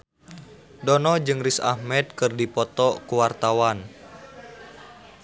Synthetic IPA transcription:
dɔnɔd͡ʒɨŋrisa̰hmɛd̪̚kɨrdipɔt̪ɔkuwart̪awan

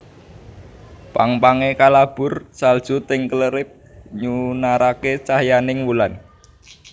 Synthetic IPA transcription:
paŋpaŋekalab̥ʊ̤rsald̥ʒ̥ṳt̪ɪŋkələɾɪp̚ɲunaɾaket͡ʃahjanɪŋwulan

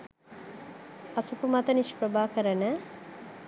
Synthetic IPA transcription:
asupumat̪əniʃpɾəbaːkəɾənə

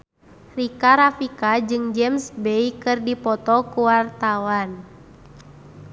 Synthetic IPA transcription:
rikaɾafikad͡ʒɨŋd͡ʒɛmsbɛikɨrdipɔt̪ɔkuwart̪awan

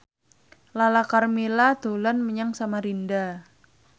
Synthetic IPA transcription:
lalakarmilad̪̥olanməɲaŋsamaɾinda

